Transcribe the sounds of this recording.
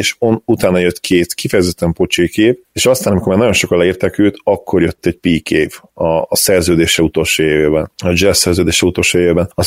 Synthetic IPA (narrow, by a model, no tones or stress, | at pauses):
eʃonut̪aːnɒjøt̪ːkʰeːt̪kifɛjɛzɛt̪ːɛmpo̞t͡ʃeːkeːveːʃɒst̪aːnɒmiko̞rmaːrnɒɟjo̞nʃo̞kɒt̪lɛiːrt̪ɛkyːt̪ɒkːo̞rjøt̪ːɛɟpiːkʰeːvɒsɛrzøːd̪eːʃɛut̪o̞lʃoːjeːveːbɛnɒd͡ʒɛsːɛrzøːd̪eːʃɛut̪o̞lʃoːjeveːbɛnɒ